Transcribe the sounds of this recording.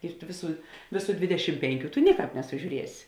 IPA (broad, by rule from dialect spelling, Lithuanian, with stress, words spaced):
ɪr tʊ ˈʋʲɪˌsuː ˈʋʲeːˌsuː ˈdʲʋʲɪdʲɛʃʲɪm ˈpʲɛŋʲˌkʲuː tʊ ˈnʲɪˌkɑːp nʲɛsʊˈʒʲuːrʲiɛsʲɪ